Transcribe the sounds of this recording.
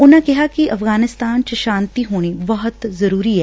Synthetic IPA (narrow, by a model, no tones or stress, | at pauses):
ʊnãːkɪɦaːkɪʔəfɡaːnɪst̪aːnt͡ʃəʃaːnt̪iːɦoːɽ̃iːbəɦʊt̪zəɾuːɾiːɛː